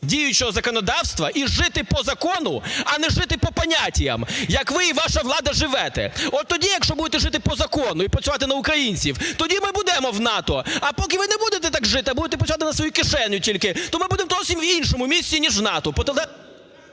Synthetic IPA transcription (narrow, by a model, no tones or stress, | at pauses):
dʲijʊt͡ʃɛɦɔzɐkɔnɔd̪ɑwst̪ʋɐʔiʒɪt̪ɪpɔzɐkɔnʊɐnɛʒɪt̪ɪpɔpɐnʲatʲijɐ̰mjɐkʋɪiʋɑʃɐʋlˠɑd̪ɐʒɪʋɛt̪ɛ̰ɔt̪ːɔdʲijɐkʃt͡ʃɔbud̪et̪ɛʒɪt̪ɪpɔzɐkɔnʊipɾɐsʲʊʋɑt̪ɪnɐʊkɾɐjinʲt͡sʲiwt̪ɔdʲimɪbud̪ɛmɔwnɑt̪ɔɐpɔkɪʋɪnɛbud̪et̪ɛt̪ɑkʒɪt̪ɪɐbud̪et̪ɛp̬ɾɔsʲʊʋat̪ɪnɐsʋɔjukɪʃɛnʲjʊtʲilʲkɪt̪ɔmɪbud̪emɔt̪ɔsʲimʋinʃɔmʊmʲisʲtʲinʲiʒwnɑt̪ɔpɔt̪ɛɛ